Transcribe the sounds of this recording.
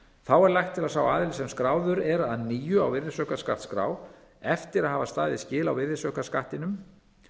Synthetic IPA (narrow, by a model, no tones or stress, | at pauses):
θawɛɾlajxt̪ʰːɪlasawaːðɪlsɛmskɾaːwðʏɾɛɾaaðniːjʏa̰wvɪɾðɪsœːkaska̰ht̪skɾa̰ːw | ɛft̪ɪɾaðɦaːvast̪aːðɪscɪːlawvɪɾðɪsœkaskaht̪ɪnʏm